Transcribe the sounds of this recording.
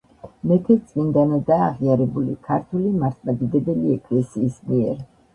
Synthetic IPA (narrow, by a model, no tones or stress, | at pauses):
mɛt̪ʰɛt̪sʼmind̪anad̪aːʁiaɾɛbulikʰaɾt̪ʰulimaɾt̪ʰmad̪id̪ɛd̪ɛliɛkʼlɛsiːsmiɛɾ